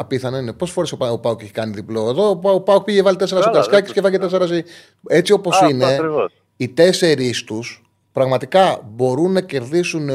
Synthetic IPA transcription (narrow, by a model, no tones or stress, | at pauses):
ɐpiθɐneinepo̞sefo̞ɾesopɐopɐokeçi̥kɐniðiploe̞ðopɐopɐok̚piʝevɐlit̪es̬eɾɐsokɐskɐcescefɐcet̪e̞seɾɐsi | e̞t͡sio̞po̞sine̞ | it̪e̞se̞ɾist̪us | pɾɐɣmɐt̪ikɐbo̞ɾunːɐce̞ɾðisun